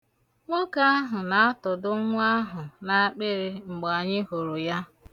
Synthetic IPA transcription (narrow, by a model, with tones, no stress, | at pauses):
ŋʷo˦ka˦a˦ɦʊ˨na˨a˦tʊ˨dʊ˦ŋʷʊ˦a˦ɦʊ˨na˨a˦k͡pe˦ɾɪ˦ŋ͡m̩˨ɡ͡bɔ˨a˨ɲɪ˦ɦo˨ɾo˨ja˦